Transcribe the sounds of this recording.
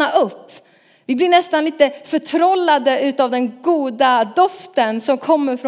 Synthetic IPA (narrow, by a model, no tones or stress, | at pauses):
aʔɵpː | vɪblɪɳɛst̪anliːt̪əfœʈʰɾɔlːad̪əʉ̟ːt̪avd̪ɛnɡuːd̪ad̪ɔft̪ənsɔmkʰɔmːəɾfɾɔ